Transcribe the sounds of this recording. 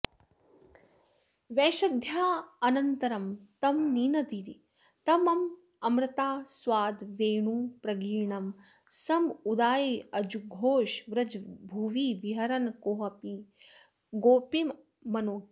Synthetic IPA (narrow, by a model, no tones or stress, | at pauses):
ʋeːʃɐd̪ʱjaːɐnɐnt̪ɐɾɐmt̪ɐmniːnɐd̪iɾi | t̪ɐmɐm | ɐmɾɪt̪aːsʋaːd̪ʋeːɳuːpɾɐɡiːɳɐm | sɐmud̪aːjiɐd͡ʒuɡʱoːʃʋɾɐd͡ʒbʱuʋiʋiɦɐɾɐnkoːɦɐpi | ɡoːpim | mɐnoː